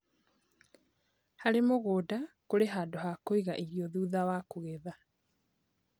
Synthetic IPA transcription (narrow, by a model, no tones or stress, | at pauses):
haɾemoɣoːdakoɾeɦadohakoiɣaʔiɣiɔðuːðawakoɣeða